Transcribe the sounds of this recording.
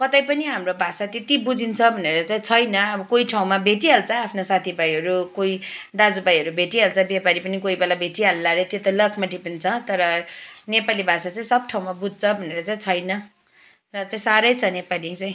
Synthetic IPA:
kʌt̪ajpʌniɦamrobʱasat̪et̪ibud͡zint͡sʰʌbʱʌneɾʌt͡saĩt͡sʰʌjnʌʌbʌkojʈʰaw̃mabʱeʈiɦalt͡sʰʌapʰnosat̪ʰibajɦʌɾukoid̪ad͡zubajɦʌɾubʱeʈiɦalt͡sʰʌbepaɾipʌnikoibalabʱeʈiɦalːaɾʌt̪jet̪ʌlʌkʰmaʈipʌnit͡sʰʌt̪ʌɾʌnepalibʱasat͡saĩsʌb̚ʈʰaw̃mabud͡zʱt͡sʰʌbʱʌneɾʌt͡saĩt͡sʰʌjnʌ | rʌt͡saĩsaɾʌjt͡sʰʌnepalit͡saĩ

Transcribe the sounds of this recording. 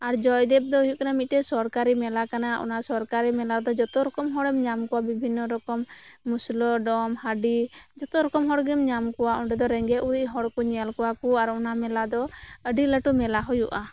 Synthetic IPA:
aɾd͡ʒɔjd̪ɛp̚d̪ɔujuʔ̚kanamit̪̚ˀtɛsɔɾkaɾimɛlakanaʔɔ̰nasɔɾkaɾimɛlad̪ɔd͡ʒɔt̪ɔɾɔkɔmɦɔɽɛmɲamkɔwabibʱinːɔɾɔkɔmːuslɔɖɔmhəɖid͡ʒɔt̪ɔɾɔkɔmɦɔɽɡimɲamkɔwaɔɳɖɛd̪ɔɾɛŋɡɛʔuɾiʔɦɔɽkɔɲalkɔwakuaɾɔnamɛlad̪ɔəɖiləʈumɛlaɦɔjuʔa

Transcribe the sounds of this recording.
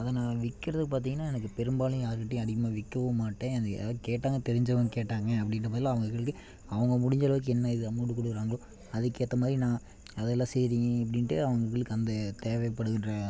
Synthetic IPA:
ɐðɐnãːʋɪkːɪɾɐðɯpaːɾt̪̬iːŋɡɐnːaːɛnɐkːɯpɛɾɯmbaːlɯ̃jaːɾɯkɪʈːej̃ɐɽɪkːɐmaːʋɪkːɐʋɐmaːʈːẽːɐnd̪̰keːʈːaːŋɡɐt̪ɛɾɪɲd͡ʒɐʋɐŋɡɐkeːʈːaːŋɡɐɐpːɐɽɪnːɐp̬aɾt̪ːlaːɐʋɐŋɡɐkɐɭɯkːɯ | ɐʋɐŋɡɐmʊɽɪɲd͡ʒɐlɐʋɯk̬ːɯɛnːɐɪðɯɐmːuɽɯkːɔɽɯkːɯɾaːŋɡɐɭõ | ɐðɯkːeːt̪ːɐmaːd̪ɾinãː | ɐðɛlːãːsɛjɾɪ̃jẽɐp̬ːɐɽɪnʈːɯɐʋɐŋɡɐkɐɭɯkːɯɐnd̪ɐt̪eːʋɛpːɐɽɯɣɪnrɐ

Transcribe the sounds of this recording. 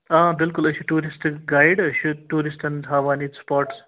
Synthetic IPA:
ãːbɪlkʊlɐt͡ʃʰuʈuːɾisʈɡajɖɐt͡ʃʰuʈuːɾisʈɐnɦaːʋaːniːspɔːɾʈs

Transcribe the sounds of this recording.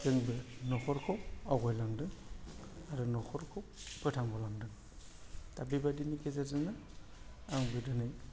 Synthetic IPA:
dɯŋbɯnɔkɔɾkʰɔwawɡɔjlaŋdɯŋ | aɾɯnɔkʰɔɾkʰɔwkɯtʰaŋbɔlaŋdɯŋ | tabibadinikezazɯŋɯ | aŋbɯdɯnɯj

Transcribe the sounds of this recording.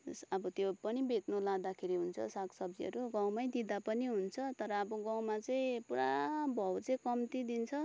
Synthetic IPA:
sʌbʌt̪jopʌnibʱet̪nolad̪akʰeɾiɦunt͡sʰʌ̰saksʌbd͡ziɦʌ̰ɾuɡaw̃maj̃d̪id̪apʌniɦunt͡sʰʌt̪ʌɾʌːbʌɡãw̃mat͡sʌĩpuɾa̰bʱʌwt͡sʌĩkʌmt̪id̪int͡sʰʌ

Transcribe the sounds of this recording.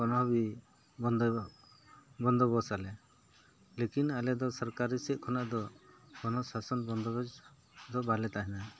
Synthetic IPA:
ɔnɔbi | bɔnd̪ | bɔnd̪ɔbɔsalɛ | lekinalɛd̪ɔsɔɾkaɾisɛʔ̪̚kʰɔnaʔd̪ɔɡɔnɔsasɔnbɔnd̪ɔbɔd͡ʒ | d̪ɔbalɛt̪aɦɛna

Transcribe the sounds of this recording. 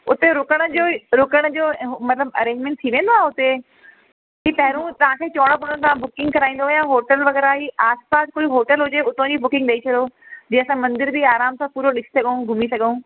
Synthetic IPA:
ʊt̪eɾʊkəɽ̃əd͡ʑoːɾʊkəɽ̃ə̆d͡ʑoːmɐt̪ləbɐ̰ɾẽːɲd͡ʑmẽɳʈ̚t̪ʰiʋẽːnd̪oaːɦeʊt̪e | ɦiːpɐɦɪɾũt̪ɐʋ̤ɦãkʰeːt͡ɕɔːɽ̃opoɽə̃ɽ̃t̪ɐʋ̤ãbʊkɪ̃ŋɡkɐɾaːĩːn̆d̪ojãːɦoːʈəlʋɐɣɛːɾaːɦiʔaːspaːskoːiɦoːʈəlɦʊd͡ʑeʊt̪õd͡ʑibʊkɪ̃ŋɡɗɐit͡ɕʰɐɗoːd͡ʑẽːɐsãmɐ̃nd̪ɪɾd͡ʑiaːɾaːmsãpuːɾoɗɪsi̥sɐɠəũɡʱʊmisɐɠəũ

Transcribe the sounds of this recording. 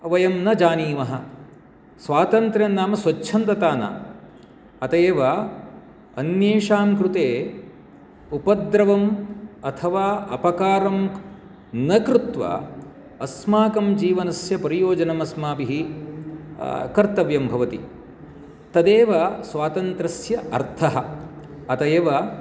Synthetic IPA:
ʋɐjɐmnɐd͡ʒaːniːmɐɦɐ̆ | sʋaːt̪ɐnt̪ɾɐnːaːmɐsʋɐt͡ʃːʰɐnt̪ɐt̪aːna̰ː | ɐt̪eːʋɐ | ɐnjeːʂaːmkɾut̪eː | upɐd̪ɾɐʋɐmɐt̪ʰɐʋaːʔɐpɐkaːɾɐm | nɐkɾut̪ʋɐ̰ | ɐsmaːkɐmd͡ʒiːʋɐnɐsjɐpɐɾijoːd͡ʒɐnɐmɐsmaːpiɦi | kɐɾt̪ɐʋjɐmbʱɐʋɐt̪i | t̪ɐd̪eːʋɐsʋaːt̪ɐnt̪ɾɐsjɐɐ̰ɾt̪ʰɐɦɐ | ɐt̪ɐeːʋɐ

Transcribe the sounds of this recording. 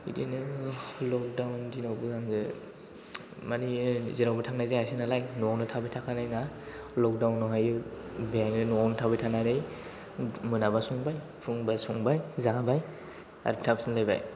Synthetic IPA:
ḭdinɯlɔk̚dawndinawbɯzaŋzɯ | maniziɾawbɯtʰaŋnazeasɯnalajnɔnɯtʰabɯjtʰakʰanajnalɔk̚dawnːɔɦajɯbianɯnɔntʰabɯjtʰanaɾɯj | mɯnabasuŋbaj | pʰɯŋbasuŋbajzabaj | a̰ɾptʰap̚snalajba̰j

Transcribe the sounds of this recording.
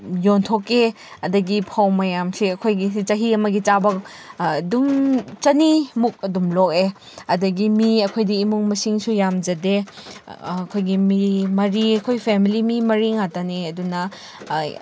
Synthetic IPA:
jontʰoke | ɐdɐɡipʰawmɐjamsiɐkʰojɡit͡ʃɐɦiɐmɐɡit͡ʃabɐk̚ | ɐdumt͡ʃɐnimuk̚ɐdumlok̚e | ɐdɐɡimiɐkʰojdiːmuŋmɐsiŋsujamd͡ʒɐdeː | kʰojɡimimɐɾiɐkʰojpʰemilimimɐɾiŋataniɐdunɐ

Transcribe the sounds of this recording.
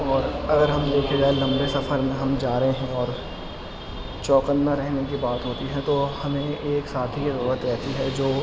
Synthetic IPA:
ɔːɾɐɡəɾɦɐmd̪eːkʰed͡ʒaːelɐ̃mbesɐfʰəɾmẽɦɐmd͡ʒaːɾɐɦẽɦɛ̃ɔːɾ | t͡ʃɔːkə̃nmãɾɛɦnek̬ibaːt̪ɦoːt̪iɦɛ̃t̪ohɐmẽeːksaːt̪ʰikiɾɐuːɾət̪ɾɛɦt̪iɦɛd͡ʒoː

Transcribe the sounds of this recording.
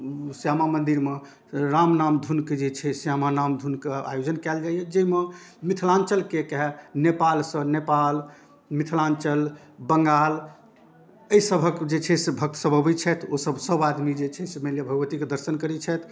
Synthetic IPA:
sjamamənd̪iɾme | ɾamnamd̪ʱunked͡ʒet͡ʃʰɛsjamanamd̪ʱunkea̰jod͡ʒənkɛld͡ʒajɛd͡ʒeimemit̪ʰlãnt͡ʃəlkekɛɦnepalsə̃nepal | mit̪ʰlãnt͡ʃəl | bəŋɡal | əisəbʱəkd͡ʒet͡ʃʰɛsebʱək̚t̪əsəbəbɛt͡ʃʰɛt̪ʰosəbsəbad̪mid͡ʒet͡ʃʰɛsemelebʱəɡʋət̪iked̪əɾsənkəɾɛt͡ʃʰɛt̪ʰ

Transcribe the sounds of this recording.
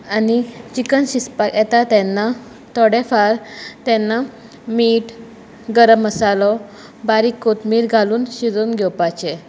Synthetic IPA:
anit͡ɕikənɕispakɛt̪at̪ɛnːa | t̪ɔɽɛfaɾt̪ɛnːa | miːʈ | ɡəɾəmːəsalɔ | baɾikot̪miːɾɡʱaluːnɕid͡zonɡʱɛwpat͡ɕe

